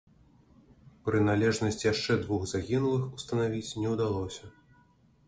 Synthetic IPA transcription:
pɾɨnalʲɛʐnɐsʲt͡sʲjaʂt͡ʂɛd̪vuɣzaɣʲinulˠɨxust̪ɐnavʲit͡sʲnʲɛwd̪alˠɔsʲɐ

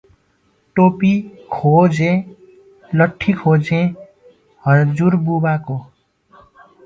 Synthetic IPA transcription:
ʈopikʰod͡zẽ | lʌʈʰːikʰod͡zẽ | hʌd͡zuɾbubako

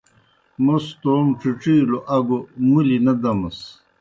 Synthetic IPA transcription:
most̪oːmʈ͡ʂuʈ͡ʂiːloʔɐɡomulinɐd̪ɐmɐs

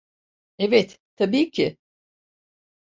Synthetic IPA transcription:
evɛt̪t̪ʰːabiːcʰɪ

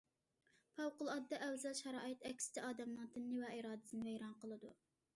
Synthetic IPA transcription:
pʰɑwqʊlˠɑd̪ːɑʔɛwzɑlˠʃɑɾɑːɨt̪ɛkʲsɪ̥t̪ʰɪɑːd̪ɛmlˠɑŋt̪ʰɨnːɨvɛiɾɑːd̪ɨsɨnɪvɛjɾɑnqəlˠɨd̪u

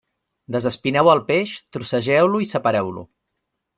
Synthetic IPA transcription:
d̪əzəspinɛwəlˠpeʃt̪ɾusəʒɛwluisəpəɾɛwlṵ

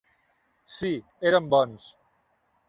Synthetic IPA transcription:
si | eɾəmbɔns

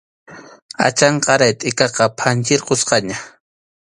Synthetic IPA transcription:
a̰t͡ʃɑɴqɑɾajt̪ʼɪkɑqɑpʰant͡ʃɪɾqosqɑɲa

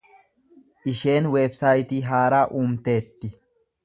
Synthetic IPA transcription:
ʔɪʃe̞ːnweːbsaːjt̪iːɦaːɾaːʔuːmt̪e̞ːt̪ːɪ

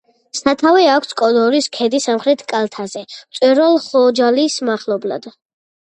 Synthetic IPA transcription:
sat̪ʰavɛakʷʰskʼɔlɔɾiskʰɛd̪isamχɾɛt̪ʰkʼalˠt̪ʰazɛt̪sʼwɛɾɔlˠχɔd͡ʒalismaχlˠɔbla̰d̪̥

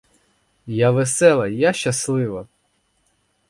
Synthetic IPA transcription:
jaʋesɛlˠɐjaʃt͡ʃːɐslˠɪʋɐ

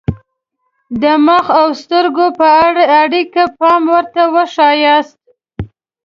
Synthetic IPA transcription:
d̪əməxawst̪əɾɡopəaɽaaɽikapɑmwəɾt̪awəʂɑjɑst̪̚

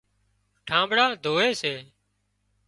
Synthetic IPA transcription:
ʈʰãːmbɽaːd̪ʱoːeːseː

